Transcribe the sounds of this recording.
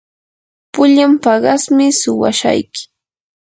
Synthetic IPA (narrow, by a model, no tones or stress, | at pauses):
pʊʎampɑɢɑsmɪsʊwa̰ʃa̰jkɪ̥